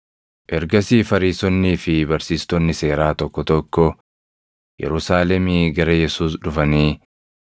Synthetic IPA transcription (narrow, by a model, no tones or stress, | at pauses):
ʔɛɾɡɐsiːfɐɾiːsɔnːiːfɪbɐɾsiːst̪ɔnːɪse̞ːɾaːt̪ɔkːɔt̪ɔkːɔ | jɛ̰ɾʊsaːlɛmɪɡɐɾɐjɛsuːs̬ᶑʊfɐniː